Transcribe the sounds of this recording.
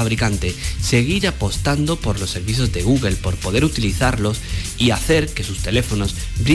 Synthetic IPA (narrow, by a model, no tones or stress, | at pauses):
aβɾikant̪e̞se̞ɣ̞iɾapo̞st̪and̪o̞po̞ɾlo̞sːe̞ɾβiθjo̞zðe̞ɣ̞uɣe̞lpo̞ɾpo̞ðe̞ɾut̪iliθaɾlo̞siaθe̞ɾke̞sust̪e̞le̞fo̞no̞s | bɾi